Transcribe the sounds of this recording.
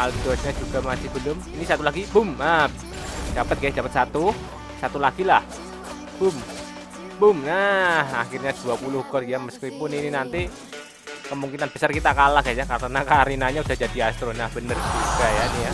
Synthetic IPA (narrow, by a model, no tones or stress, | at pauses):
halɡit̪uasɲad͡ʒuɡamasɪhbəlʊminisat̪ulaɡibʊmap | d͡ʒ̥apət̪̚ɡajd͡ʒapət̪̚sat̪u | sat̪ulaɡilah | b̥ʊm | bʊmnahaxirɲad̥uapulʊhɡɔlijaməskipʊnininant̪i | kəmuŋkinanbəsarkit̪akalahɡajd͡ʒakanakaɾinaɲaud̥ahd͡ʒadiast̪ɾonahb̥ənərd͡ʒuɡajanija